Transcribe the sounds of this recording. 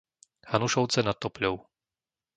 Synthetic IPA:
hanuʃɔʊt͡sɛnat̪ːɔplʲɔʊ

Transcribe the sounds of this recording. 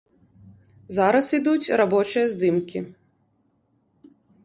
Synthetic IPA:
zaɾɐsid̪ut͡sʲrabɔt͡ʃɨjɐzd̪ɨmkʲi

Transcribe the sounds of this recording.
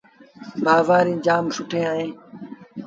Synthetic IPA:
bʱaːzaːɾĩːd͡ʒaːmsʊʈʰẽːaːɦẽː

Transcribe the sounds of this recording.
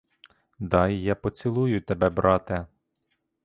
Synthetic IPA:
d̪ɑjːɑpɔt͡sʲilˠujʊt̪ebɛbɾʔɑt̪ɛ

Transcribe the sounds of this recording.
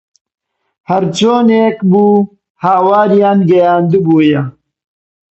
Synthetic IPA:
hɐɾt͡ʃoːneːkbuː | haːwaːɾijaːnɡɐjaːnd̪ubuːjɐ

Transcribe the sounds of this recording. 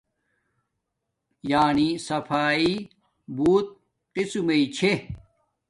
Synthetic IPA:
jaːnisɐfʰaːi | buːt̪̚ | qisumɐit͡ɕʰe

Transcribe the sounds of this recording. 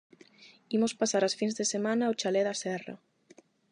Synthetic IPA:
imospasaɾasfinzðesemãnaot͡ʃalɛðasɛrɐ̰

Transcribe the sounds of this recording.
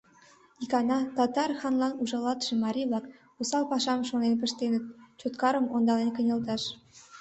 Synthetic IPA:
ikɑnɑt̪ɑt̪ɑrxɑnlˠɑnuʒɑlɑt̪ʃĕmɑɾʲiβlɑk | osɑlpɑʃɑmʃonenpə̆ʃt̪enə̆t̪̚t͡ɕot̪kɑɾɤ̆mond̪ɑlenkɤ̆nʲɤ̆lt̪ɑʃ

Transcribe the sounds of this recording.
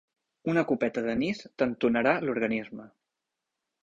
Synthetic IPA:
unəkupɛt̪əðənist̪ənt̪unəɾaluɾɣənizmə

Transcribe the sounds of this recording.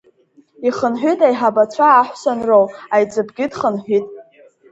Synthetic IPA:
iχənħʷᶣitʼajħabat͡ɕʷʰaːħʷsanrowajt͡sʼɨbɡʲɪdχənħʷitʼ

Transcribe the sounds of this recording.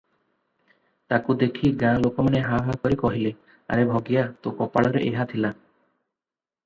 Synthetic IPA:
t̪akud̪ekʰiɡãlokɔmaneɦabakɔɾikɔɦile | a̰ɾebʱɔɡijat̪okɔpaɭɔɾeʔeɦat̪ʰila

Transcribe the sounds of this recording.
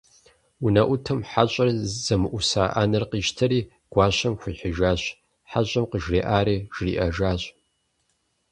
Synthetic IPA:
unɐʔʷʊtʰɐmħaɕʼɐrz̥ɐmɨʔʷʊsaːʔa̰ːnɐrqiːʒtʰɐɾiː | ɡ̥ʷɑːɕɐmxʷʊħɪʒaːɕ | ħaɕʼɐmqəʒrḛːʔaːɾiːʒ̥rḭːʔɐʒaːɕʼ

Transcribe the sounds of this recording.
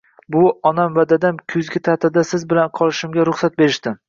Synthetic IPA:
bʊɒnamvad̪ad̪amkʲʰʊzɡʲɪt̪ʰat̪ʰad̪asɪzbɪlanqʰɒlˠɪʃɪmɡʲaɾʊχsat̪̚be̞ɾɪʃt̪ɪ

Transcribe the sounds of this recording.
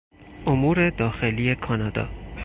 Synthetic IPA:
ʔomuːɾed̪ɒːxe̞lije̞kʰɒnɒːd̪ɒ̰ː

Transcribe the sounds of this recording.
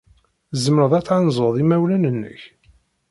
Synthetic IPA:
zəməɾəðˤæt͡sːʕanzˤoðˤimæwlænənːə̰ç

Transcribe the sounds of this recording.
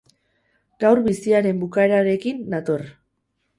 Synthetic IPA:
ɡ̥awrβisiaɾe̞mbukae̞ɾaɾe̞kinːat̪or

